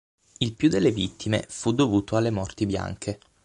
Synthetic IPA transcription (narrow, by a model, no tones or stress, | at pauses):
ilpjud̪elːevit̪ːimḛfud̪ovuːt̪oalːemɔrt̪ibja̰ŋkʰe